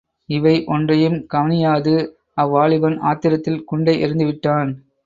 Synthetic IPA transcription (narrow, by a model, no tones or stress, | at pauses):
ɪʋɐɪʔɔndrɐjɯmkɐʋɐnɪjaːðɯ | ɐʋːaːɭɪʋɐna̰ːt̪ːɪɾɐt̪ːɪlkʊɳɖɐɪʔɪɾɯnd̪ɯʋɪʈːaːn